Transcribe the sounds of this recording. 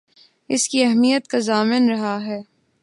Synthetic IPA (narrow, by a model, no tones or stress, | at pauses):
ɪskiɛɦmijət̪kazaːmɪnɾɐɦaɦɛː